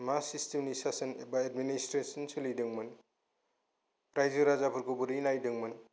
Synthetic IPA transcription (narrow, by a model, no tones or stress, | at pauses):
masistemnisasɐnḛbaed̚ministɾesɐnsɯlidɯŋmɯn | pɾajzɯɾazapʰuɾkubuɾinajdɯŋmɯn